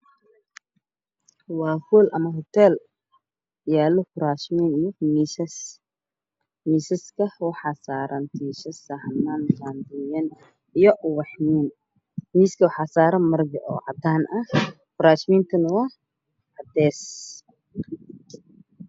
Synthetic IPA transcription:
wɑːfulʔɐmɐɦɔt̪ʰɛl | jaːlɔfʊɾaːʃmiːnijɔmisɐs | miːsɐskʰɐwɔħɑsaːɾʔɐnt̪ʰiːʃɐsɐhnandand̪iːjɐn | ijɔʔwɑħmiːn | miːskʰɐwħɑsaːɾɐmɐrɡɐʔɔːʕɑd̪aːnɐh | fʊɾaːt͡ʃmiːnt̪ʰɐnʊwɑh | ʕɑd̪ɛːs

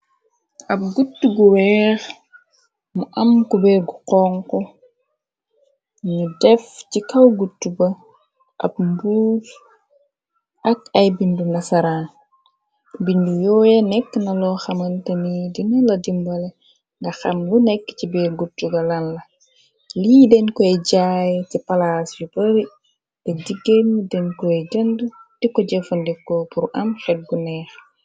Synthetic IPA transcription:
ʔɐp̚ɡutːuɡuwɛːx | muʔɐmkubɛːɾɡuqɔŋkɔ | ɲudɛfcikɐwɡutːubɐ | ʔɐ̰p̚mbuːl | ʔɐkɐjbindunɐsɐɾa | bindujɔːjɐnɛkːnɐlɔxɐmɐntɐmidinulɐdimbɐlɛ | ŋɡɐxɐmlunɛkːt͡ʃibɛːɾɡutuɡɐlɐnlɐ | liːdɛnkɔɛɟaːjtipalasjupɐɾi | tɛdiɡenudɛnkɔɛd͡ʒɐndud̥ikɔɟɛfundɛkːɔpuɾʔɐmxɛt̚ɡunɛːx

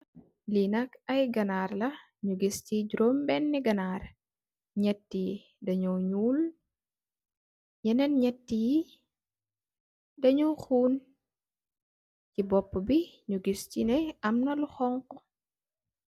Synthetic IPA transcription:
linɐkɐjɡɐnaːɾlɐ | ɲuɡistiɟɾombɛnːiɡɐnaɾ | ɲɛtːi | dɐɲɔwɲuːl | jɛnɛnɲɛtːi | dɐɲuwxuːn | cibɔpːəbiɲuɡistinɛɐmnɐluxɔŋkɔ

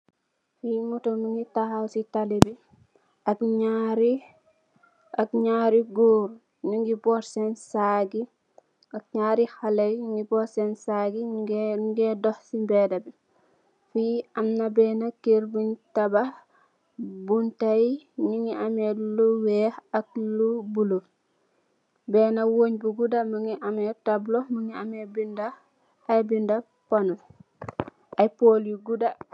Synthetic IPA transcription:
fimutomiŋitahawsitaliɾi | ɐkɲaɾi | ɐkɲaːɾiɡoːɾ | ɲuŋɡibɔɾsensaɡi | ɐk̚ɲaːɾixalɐjɲuŋɡibɔɾsɛnsaɡi | ɡedɔhsimbɛdɐbi | fijamnabɛːnakeɾbuɲtabah | buntajɲiŋiʔamedluwɛhak̚lubulo | bɛːnawoɲbuɡudaməŋiʔamɛtabloməŋiamebinda | ajbinda | panu | ajpoːliɡuda

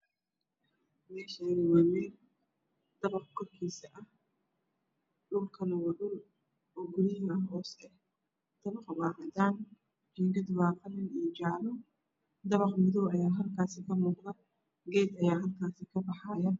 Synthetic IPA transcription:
mɛːʃanɪwɛːmɛːl | d̪̥ɐβɑqkʰɔrkʰiːsɐʔɐh | ɖʊlkʰɐnɐwɑɖʊl | ɔːɡʊɾɪɦɐɦɔːsɛ | d̪̥ɐβɐqwɑːɦɐd̪aːn | t͡ʃiːŋɡɐd̪wɑːqɐlɪnit͡ʃɑʕlʊ | d̪ɐβɑqmɪðɔwɐjaːɦɐlkʰaːsɪkʰɐmuːqðɐ | ɡɛːd̪ɐjaːɦɐlkʰaːsɪkʰɐbɑħɑjɐ

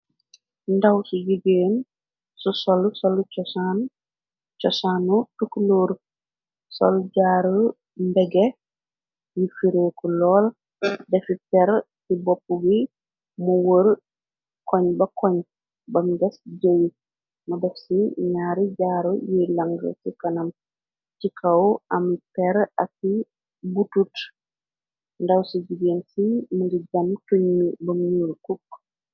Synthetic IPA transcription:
ndɐwsuɟiɡeːn | susɔlsɔlt͡ʃɔsan | t͡ʃɔsaːnutukloːɾ | sɔ̰lɟaːɾu | mbɛɡe | jifiɾeːkulɔːl | dɛfitɛɾsibɔpːuɡi | muwəɾ | kɔɲbɐkɔɲ | bɐmɡɛsɟəwi | mɐdɛfsiɲaːɾiɟaːɾujilɐŋɡə̰sikɐnɐm | t͡ʃikʰɐwʔɐmipɛɾɐkːi | butut | ndɐwsiɟiɡeːnsimuɡiɟɐmtuɲmibɐmɲulkuk̚

